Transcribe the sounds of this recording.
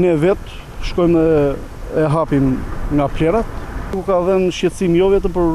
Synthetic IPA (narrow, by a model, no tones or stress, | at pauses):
nɛvɛt̪ | ʃkɔjmɛ | ɛɦapimŋɡaplɛɾat̪kukaðɛnʃjɛt̪simjɔvɛt̪əmpəɾ